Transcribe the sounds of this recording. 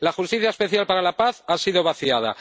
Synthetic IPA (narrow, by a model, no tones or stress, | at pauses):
laxust̪iθjaespe̞θjalpaɾalapaθasiðo̞βaθiað̞a̰